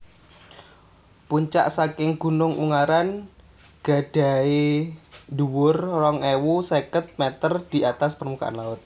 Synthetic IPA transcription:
puɲt͡ʃa̰ʔsakɪŋɡ̥ṳnʊŋʔṵŋaɾan | ɡ̥a̤ɖ̥a̤e | duwʊrrɔŋewusekət̪̚mɛt̪ərd̪̥i̤ʔat̪aspərmuka̰ʔa̰nlaʊt̪̚

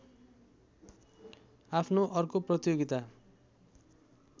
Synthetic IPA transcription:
apʰnoʔʌrkoprʌt̪ijoɡit̪a

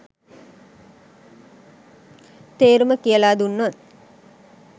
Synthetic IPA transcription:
t̪eːɾuməkijəlaːd̪unːot̪

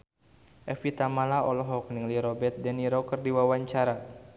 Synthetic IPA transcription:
ʔɛfit̪amalaɔlɔɦɔkniŋliɾɔbɛt̪̚dɛniɾɔkərdiwawaɲt͡ʃaɾa

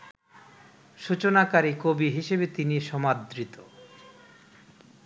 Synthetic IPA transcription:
ʃut͡ɕonakaɾikobiɦiʃebet̪iniʃɔmad̪ɾit̪o

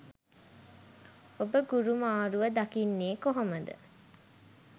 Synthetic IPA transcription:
obəɡuɾumaːɾuʋəd̪akinːeːkoɦoməd̪ə̰

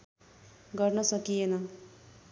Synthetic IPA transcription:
ɡʌrnʌsʌkijenʌ

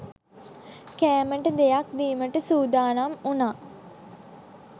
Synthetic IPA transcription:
kæːməʈəd̪ejak̚d̪iːməʈəsuːd̪aːnamunaː

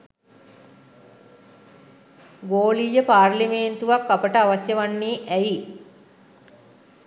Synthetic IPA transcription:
ɡoːlijəpaːrlimeːnt̪uʋakːapəʈəaʋasjəʋanːiːʔæji

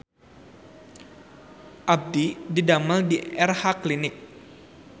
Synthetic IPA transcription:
ʔab̚dididamaldiʔɛrhaklinɪk̚

